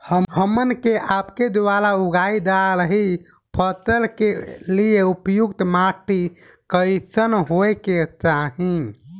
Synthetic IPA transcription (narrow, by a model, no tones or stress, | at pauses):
həɦəmənkeʔapked̪ʋaɾauɡaid̪alɦi | pʰət̪əlkelieupjukt̪maʈi | kəjsənɦoket͡ʃaɦĩ